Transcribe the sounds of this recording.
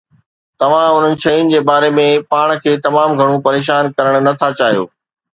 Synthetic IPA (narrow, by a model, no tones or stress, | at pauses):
t̪ɐʋ̤ãʊn̤ənɪ̆ʃɐːjʊnɪ̆d͡ʑeːbaːɾemẽpaːɽ̃̆kʰeːt̪ɐmaːmɡʱɐɽ̃ũpɐɾeːʃ̬aːnkɐɾəɽ̃̆nɐt̪ʰat͡ɕaːɦijo̰ː